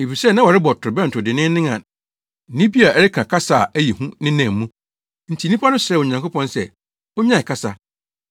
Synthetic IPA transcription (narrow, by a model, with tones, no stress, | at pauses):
e˨fi˨sɛ˦˨nã˦wɔ˨ɾɪ˦bɔ˨tʰʊ˨ɾɪ˨bɛ˦n̩˨tʰʊ˨dɪ˨nɪ̃˦nɪ̃˦ŋã˨ | nĩ˦bi˦a˨ʔɛ˨ɾɪ˦kʰa˨kʰa˦sa˦˨æ˦ji˨hũ˦nɪ̃˦nã˨mũ˦ | n̩˨tʰi˨˦nĩ˦pʰa˦nʊ̃˦sɛ˦˨o˨ɲã˨ŋko˦pʰɔ̃˦nsɛ˦˨ | o˦ɲã˦˨kʰa˦sa˨